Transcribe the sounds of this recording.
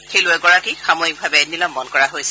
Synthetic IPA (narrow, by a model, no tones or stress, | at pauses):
xelʊɛɡɔɹakixamɔik̚bʱabɛɛnilamːɔnkɔɹaɦojsɛ